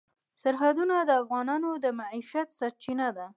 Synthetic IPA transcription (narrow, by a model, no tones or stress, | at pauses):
saɾɦad̪unad̪əafɣɑnɑnod̪əmaiʃat̪sat͡ʃinad̪a